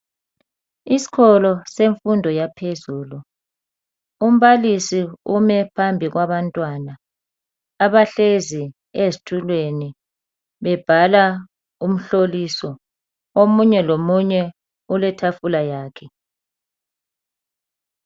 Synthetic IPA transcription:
isi̥kʰɔlɔseɱfundʱɔjapʰezuːlu | um̩βalisiumɛpʰambʱiɣwaβantʼwanaː | βaɬezi | ezitʰulweni | βɛb̥ʱala | um̩ɬolisɔ | omuɲɛlomuɲɛ | ulɛtʰafulajaːkʰɛ

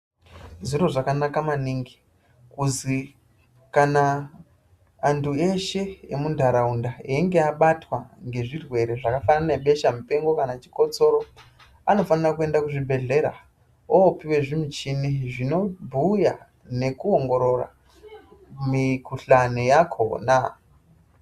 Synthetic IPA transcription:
zuɾo̞ʐakanakamaniŋɡi | kuzi | kana | ntʰue̞ʃe̞jemundʱaɾaundaiŋɡe̞aɓatwaŋɡe̞ʐirwe̞ɾe̞ʐakafananeɓe̞ʃamupe̞ŋɡo̞kanat͡ʃi̥ko̞t͡so̞ɾo̞ | ano̞fanirakue̞ndakuʐibʱe̞ɮe̞ɾa̰ | oːpiwe̞ʐimut͡ʃiniʐino̞bʱuja̰ | ne̞kuoŋɡo̞ɾo̞ra̰ | mikuɬanejakʰo̞̰na

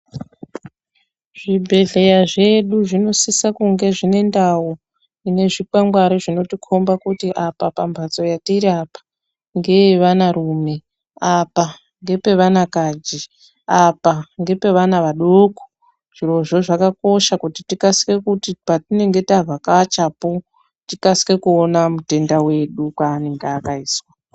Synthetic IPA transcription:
ʐ̥ibʱe̞ɮe̞jaʐe̞ɗuʐino̞sisakuŋɡe̞ʐine̞ndawo | ine̞ʐikaŋɡwaɾiʐino̞tikʰombakutiʔapapambʱat͡so̞jatiɾapḁ | ŋɡe̞ʋanaɾuːme̞ | apa | ŋɡe̞pe̞ʋanakad͡ʒi | apaŋɡe̞pe̞ʋanaʋaɗoko̥ | ʐ̥iɾo̞ʐoʐakako̞ʃakutitikasi̥ke̞kutipatine̞ŋɡe̞tavʱakat͡ʃapo | tikasi̥ke̞kuonamute̞ndawe̞ɗukwaːne̞ŋɡeːkaiːswa

